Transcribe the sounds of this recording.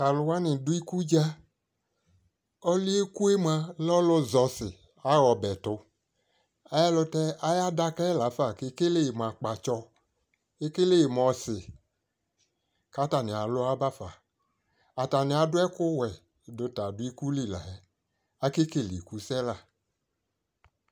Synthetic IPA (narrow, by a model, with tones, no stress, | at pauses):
ka˨lʊ˧wa˦nɪ˨dʊ˦i˦ku˦d͡ʒa˦ | ɔ˦li˦e˦ku˦e˦m˦a˧lɔ˦lʊ˧zɔ˧sɪ˨ | a˦wɔ˧bɛ˨tʊ˧ | a˨˦jɛ˦lʊ˧tɛ˦a˦ja˦da˧kɛ˦la˨˦fa˦˨ke˧˦ke˦le˦˨m˨a˨k͡pa˨t͡ʃɔ˧ | e˦ke˦le˦˨m˨ɔ˧sɪ˨ | ka˦ta˨nɪ˨a˨lʊ˦a˦ba˦fa˨ | a˨ta˨nɪ˨a˨dʊ˦ɛ˦kʊ˦wɛ˨ | dʊ˧ta˨dʊ˦i˦ku˦li˦˨la̰˨ɛ˦ | a˦ke˦ke˦˨li˨ku˨˦sɛ˦la˨